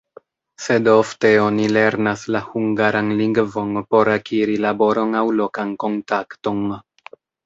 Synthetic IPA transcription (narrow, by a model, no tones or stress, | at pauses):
se̞do̞fte̞o̞nile̞ɾnaslahuŋɡaɾanliŋɡvo̞npo̞ɾakiɾilabo̞ɾo̞nawlo̞kanko̞ntakto̞n